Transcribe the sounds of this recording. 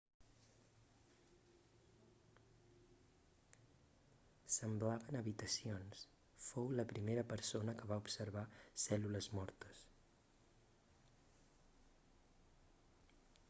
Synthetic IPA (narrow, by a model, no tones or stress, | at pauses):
səmblaβənəβit̪əsions | fowləpɾimeɾəpəɾsonəkəβaupsəɾβ̞asɛluləzmɔɾt̪əs